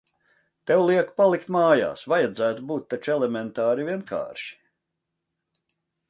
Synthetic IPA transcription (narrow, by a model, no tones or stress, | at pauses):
t̪ewlˠiɛkpalˠikt̪maːja̰ːsvajad̪zæːt̪ubuːt̪ːat͡ʃɛlɛmɛnt̪aːɾivʲiɛnkʰa̰ːɾʃi̥